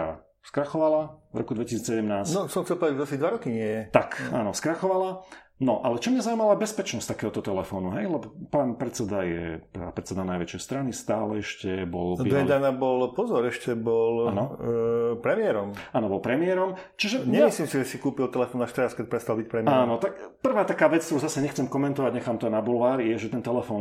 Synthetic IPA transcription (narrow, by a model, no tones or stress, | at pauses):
a̰ | skɾaxɔʋalavɾɔ̰kud̪ʋɛcisiːt͡ssɛɟɛmnaːsnɔsɔmxtt͡sɛlpɔd̪ad͡ʒzasid̪ʋaɾɔkiɲɪɛjɛt̪aka̰ːnɔskɾaxɔʋala | nɔʔalɛt͡ʃɔmɲazauimalabɛspɛt͡ʃnɔst̪akɛːɦɔt̪ɔt̪ɛlɛfɔːnuɦɛjlɛbɔpanpɾɛt͡sɛd̪ajɛ̰ppɾɛt͡sɛd̪anajʋɛt͡ʃɛjst̪ɾanist̪aːlɛɛʃcɛbɔ̰ldiːɛd̪anabɔlpɔzɔɾɛʃcɛbɔlanɔ | pɾɛmɪɛɾɔmaːnɔbɔlpɾɛmɪɛɾɔmt͡ʃiʒɛɲɛamisliːmsiʒɛsikuːpilt̪ɛlɛfɔːnːaːʃt̪ɛɾaskɛc̚pɾɛst̪albic̚pɾɛmiaːnɔt̪akpr̩ʋaːt̪akaːʋɛt͡skt̪ɾuzasɛɲɛxt͡sɛmkɔmɛnt̪ɔʋaɟɲɛxaːmt̪ɔanabulʋaːɾijɛʒɛt̪ɛnt̪ɛlɛfɔːn